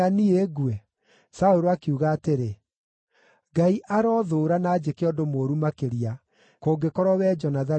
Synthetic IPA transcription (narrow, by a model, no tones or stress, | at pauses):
anieɣwɛ | saoɾoakiuɣaːteɾe | ɡaiʔaɾɔðoːɾanaːd͡ʑekeɔdomoɾumakeɾia | koːɡekɔɾɔwɛd͡ʒɔnaða